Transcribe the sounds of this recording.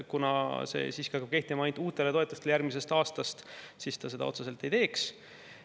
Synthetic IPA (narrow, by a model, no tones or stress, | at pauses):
kunɑ̰se̞̰siːskiɑkːɑb̥̚ke̞ht̪imɑɑjnuːt̪ːˑe̞leo̞et̪ːˑust̪eleærɡmise̞st̪ɑːst̪ɑst̪sist̪ɑs̬e̞d̪ɑ̰o̞t̪sese̞lt̪ːˑe̞jt̪e̞ːks